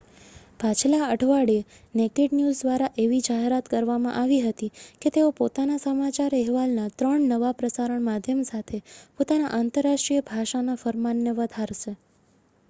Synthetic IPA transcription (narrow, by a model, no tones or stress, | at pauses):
bʱat͡ʃlaəʈʰʋaɽie | nekeɖnjuzd̪ʋaɾaʔeʋid͡ʒaɦeɾat̪kəɾʋamã̰ʔaʋiɦət̪iket̪eopot̪anasəmat͡ʃaɾɛɦʋalnat̪ɾəɳnəʋapɾəsaɾəɳmad̪ʱjəmsat̪ʰepot̪anaʔant̪əɾːaʂʈɾijəbʱaʃanafəɾmanːeʋəd̪ʱaɾʃe